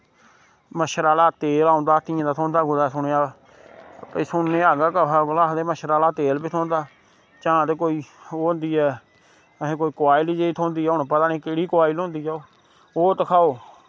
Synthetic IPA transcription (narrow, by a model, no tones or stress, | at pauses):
məʃəɾaːlaːt̪eːlãːnd̪aːt̪ɪãːd̪aːt̪ʰõːnd̪aːɡʊdaːsʊneːaːaː | pəiːsʊneːaːɡaːkəɦːɡlaːd̪eːməʃəɾaːlaːt̪eːlbiːt̪ʰoːnd̪aː | t͡ʃãːt̪eːkoːiːoːʊ̃nd̪iːɛː | əɦẽːkoːiːkʊaːiːliːd͡ʒeiːt̪ʰoːnd̪iːɦɛːʊɳpət̪aːniːkeːɽiːkʊwaːilõːnd̪iːd͡ʒaːoː | oːt̪əkʰaːoː